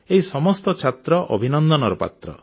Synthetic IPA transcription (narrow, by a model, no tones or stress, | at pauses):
eɦisɔmɔst̪ɔt͡ʃʰat̪ɾɔʔɔ̰bʱinɔnd̪ɔnɔɾɔpa̰t̪ɾɔ̰